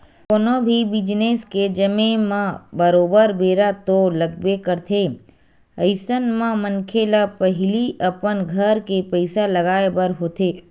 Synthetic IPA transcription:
konõbʱibɪd͡ʒneːsked͡ʒəmẽmãbəɾoːbəɾbeːɾat̪oləɡ̚bekəɾt̪ʰeː | ɐɪsənmãmənkʰeːlapəɦɪliʔɐpənɡʱəɾkepəɪsalɐɡaːebəɾɦoːt̪eː

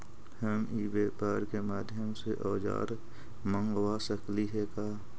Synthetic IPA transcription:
həmibeːpaːɾkemaːd̪ʱjəmseʔɔːd͡ʒa̰ːɾ | mə̃ŋɡwasəkliɦeːkaː

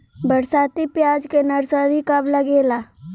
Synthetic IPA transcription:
bɐɽsaːt̪ipjaːd͡ʒkenɐɾsəɾikɐblɐɡeːlaː

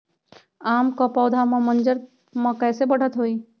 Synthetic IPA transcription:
aːmkɔpɔːd̪ʱamə̃mə̃nd͡ʒəɾ | mə̃kɛːsebəɽ̤ʱət̪ɦoːiː

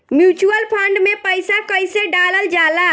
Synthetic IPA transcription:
mjut͡ʃuəlpʰəɳɖmepəjsakəjseɖaləld͡ʒala

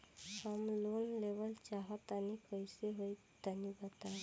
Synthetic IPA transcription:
hamlonleʋəlt͡ʃaɦət̪anikəjseɦoj | t̪ənibət̪a

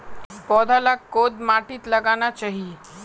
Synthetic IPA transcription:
pɔːd̪ʱalaod̪maʈiːt̪ləɡanat͡ʃaːɦie

